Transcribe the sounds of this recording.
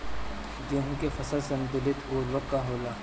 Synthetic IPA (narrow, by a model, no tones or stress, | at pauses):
d͡ʒuːɦkefɐsəlsɐnd̪ʊlɪt̪oːɾʋɐkːaɦoːlaː